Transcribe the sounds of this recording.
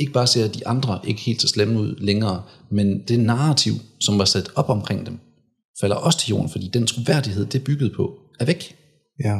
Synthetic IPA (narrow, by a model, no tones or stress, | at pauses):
e̝ɡ̥əb̥ɑ̈ːse̝ɐ̰d̥iʔɑ̈nd̥ʁɐʔe̝ɡ̥ə̥he̝̰ːld̥seɐ̰slemnuð̰ˠleŋɐːmend̥e̝nɑ̈ːt͡sʰiʊ̰sɒ̽mʋɑ̈sæd̥ɒ̽b̥ɒ̽mkʰʁeŋ̰d̥em | fæl̰ɐʔɒ̽sə̥t͡sʰe̝ljo̝̰ːɐn̩fɒd̥ḭːd̥ent͡sʰʁo̝ʋæɐ̰d̥ihe̝ð̞̰ˠd̥e̝b̥yɡ̥əð̩ˠpʰɒ̽ | æɐʋeɡ̥